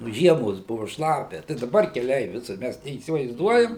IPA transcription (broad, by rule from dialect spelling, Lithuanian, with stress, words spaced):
nʊ ˈʒʲiɛmoːs ˈbʊʋʊ ˈʃlˠɑːpʲɛ tɐɪ dɐˈbɐr kʲɛˈlʲɛɪ ˈʋʲɪsʊr ˈmʲæs nʲɛiːsʲɪʋɐɪzˈduɔjɛm